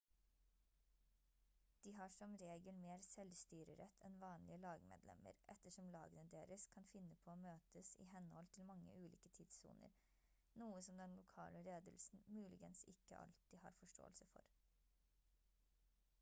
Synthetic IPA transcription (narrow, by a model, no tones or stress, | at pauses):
d̪̥iːɦɑːʂɔmɾeːɡəlmeːɾsɛlst̪yːɾəɾɛt̪ʰɛnʋɑːnlɪəlɑːɡmḛːd̪lɛ̰mə̰ɾʔɛt̪ːəʂɔmlɑ̰ːɡənəd̪eːɾəskʰɑnfɪnːəpʰoːoːmøːt̪əsḭːɦɛnhɔlt̪ʰɪlmɑŋːə̰ʔʉːlḭːkət̪ʰiːd̪sṵːnə̰ɾ | nuːəsɔmd̪ɛnlʊkʰɑ̰ːləleːd̪əlsn̩mʉːlɪ̰ɡənsɪkə̰ʔɑ̰lt̪iːhɑ̰ːɾfɔʂʈo̰ːəlsəfɔ̰ɾ